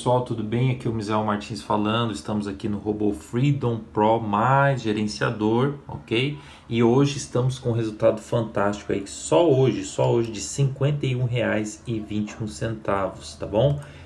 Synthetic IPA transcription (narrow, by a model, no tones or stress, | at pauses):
psuawt̪ud̪ʊbẽj̃akiʊmizɛwmaɾt͡ʃĩsfalɐ̃nd̪ʊɪst̪ɐ̃mʊzakinʊɦobofɾid̪õw̃pɾɔmajzʒeɾẽsia̰d̪oɾo̰kej | ɪoʒɪːst̪ɐ̃mʊskõɦezuwt̪ad̪ʊfɐ̃nt̪ast͡ʃi̥kʊa̰isɔoʒɪsɔoʒɪd͡ʒɪsĩŋkwẽnt̪ejũɦeajzɪvĩnt͡ʃiũsẽnt̪avʊst̪abõw̃